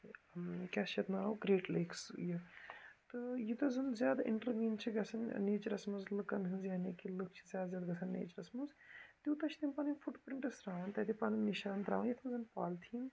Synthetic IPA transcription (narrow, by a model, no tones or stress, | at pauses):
kʲasɐt̪naːoɡɾeːʈleːksjit̪ɨjit̪ɐzɐnzjaːd̪ḭɳʈɐɾʋiːnt͡ʃʰiɡɐsʰɐnneːt͡ʃɐɾɐsmɐzlɨkɐnɦɨzjaːnekilɨkʰt͡ʃʰizʲjaːd̪zʲjaːd̪ɡɐt͡sʰɐnːḛːt͡ʃɐɾɐsmɐzt̪iːt̪ɐt͡ʃʰt̪inpaːnfuʈpɾiɳʈɐsɾaːʋɐnʲt̪ɐt̪ʰipaːnmiʃaːnt̪ɾa̰ːʋɐnjit̪ʰɐnzɐnpaːlt̪ʰiːn